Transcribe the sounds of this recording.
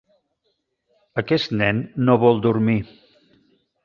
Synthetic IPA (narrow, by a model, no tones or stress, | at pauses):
əkɛst̪nɛnːoβɔlˠd̪uɾmi